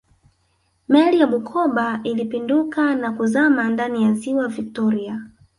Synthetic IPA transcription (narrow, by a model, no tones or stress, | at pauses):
mɛlijaɓukʰɔɓailipindukanakuzamandanijaziwavik̚tɔɾia